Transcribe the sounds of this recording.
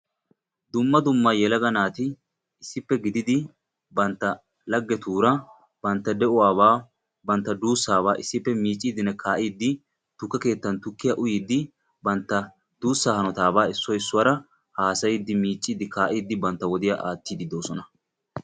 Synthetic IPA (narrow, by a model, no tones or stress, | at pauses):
d̪ʊmːɐd̪ʊmːajɛlɐɡɐnaːt̪ɪ | ɪsːɪpːɛɡɪd̪ɪd̪ɪ | bɐnt̪ːɐ | lɐɡːɛt̪uːɾɐ | bɐnt̪ːɐd̪ɛʔʊwaːβaː | bɐnt̪ːɐd̪uːsːaːβaːʔɪsːɪpːɛmiːt͡ʃʼːiːd̪ɪnɛkʰaːʔiːd̪ːɪ | t̪ʊkːɐke̞ːt̪ːɐnt̪ʊkːɪjaʔʊjiːd̪ːɪ | bɐnt̪ːɐ | d̪uːsːaːhɐnɔt̪aːbaːɪsːɔɪsːʊwɐɾɐ | haːsɐjɪd̪ːɪmiːt͡ʃʼːiːd̪ɪkaːʔiːd̪ːɪbɐnt̪ːɐwɔd̪ɪjaʔaːt̪ːiːd̪ɪd̪o̞ːsɔnɐ